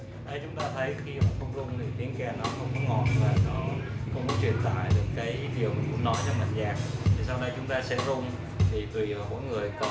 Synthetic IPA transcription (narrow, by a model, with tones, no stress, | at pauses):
ɗə˨˧˦jt͡ɕʊ˨˦ŋ͡mt̪aː˧t̪ʰə˨˦jxi˧maəː˨˩xə˧wŋ͡mzʊ˧ŋ͡mt̪ɨ˨˩ə˩jt̪ʰi˨˦ənkɛ˧˩nɔ˨˦xə˧wŋ͡mkɔ˨˦ŋɔ˨˩n˧vaː˨˩nɔ˨˦kɔ̰˧wŋ͡mkɔ˨˦t͡ɕwi˧˩ənt̪a̰ː˧˨jɗɨ˨˩ək̚ːaː˨˦jɗi˨˩əwkʊ̰˧˥ŋ͡mnɔ˨˦jt͡ɕɔ˧wma̰˨˩ŋzaː˨˩k̚t̪ʰi˨˩sa˧wɗə˧jt͡ɕʊ˨˦ŋ͡mt̪aː˧sɛ̰˧˥zʊ˧wŋ͡m | t̪ʰi˨˩t̪wi˨˩aː˨˩mɔ̰˧˥jŋɨ˨˩əjk